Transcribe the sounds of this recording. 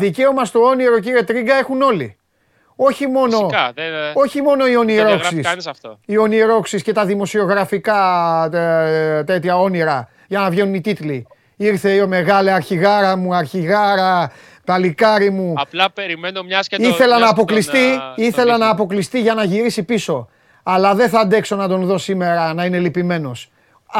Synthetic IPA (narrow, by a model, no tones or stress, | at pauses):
ðice̞o̞mɐst̪o̞o̞niɾo̞ciɾie̞t̪ɾiɡɐe̞xuno̞li | o̞çimo̞no̞ | o̞çimo̞no̞io̞niɾo̞ksissio̞niɾo̞ksisce̞t̪ɐðimo̞sio̞ɣɾɐfikɐ | t̪e̞t̪çɐo̞niɾɐ | ʝɐnɐvʝe̞nunit̪it̪li | iɾθe̞ome̞ɣɐliɐɾçiɣɐɾɐmuɐɾçiɣɐɾɐ | pɐlikɐɾimu | iθe̞lɐnɐːpo̞klist̪iiθe̞lɐnɐːpo̞klist̪iʝɐnɐʝiɾisipiso̞ | ɐlɐðe̞θɐːnd̪e̞kso̞nɐd̪o̞nðo̞sime̞ɾɐnɐine̞lipime̞no̞s